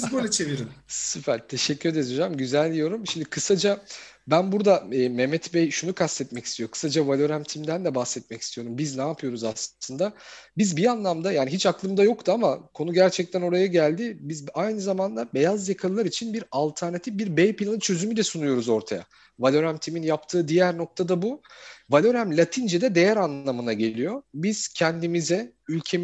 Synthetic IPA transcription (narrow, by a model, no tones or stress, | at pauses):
zbanat͡ʃʰeviɾimsypæɾt̪ʰe̞ʃɛcːyɾɛd̪ed̪id͡ʒamɟyzælʲd̪ʲijo̞ɾumʃimd̪ikʰɯsad͡ʒa | bænbuɾd̪aɛːmɛmɛt̪bɛjʃunukʰast̪ɛt̪mɛci̥st̪ʰijokʰɯ̥sad͡ʒavalʲoɾæmt̪ʰimd̪ænd̪ɛbahsɛt̪̚mɛci̥st̪ʰijo̞ɾumbiznaːpʰɯjo̞ɾuzasɯnd̪abizbianlˠamd̪ajaːniɦit͡ʃaklˠɯmd̪ajo̞k̚t̪uamakʰo̞nuɟæɾt͡ʃʰɛc̚t̪ʰæno̞ɾajaɟælʲd̪ɪbizajnɯzamand̪abe̞jazjakʰalˠɯlˠaɾit͡ʃʰinbiɾalˠt̪ʰæɾnat̪ʰifbiɾbejpilʲˠanɯt͡ʃʰø̞zymydlɛsunujo̞ɾuzo̞ɾt̪ʰa̰ja̰ | valʲo̞ɾæmt̪ʰiminjap̚t̪ʰɯːd̪ijæɾno̞k̚t̪ʰad̪abuvalʲo̞ɾæmlʲat̪ʰind͡ʒɛd̪ɛd̪e̞jæɾanllˠamɯnaɟe̞lʲijo̞biz̥cʰɛnd̪imizɛ | ylʲcʰe̞m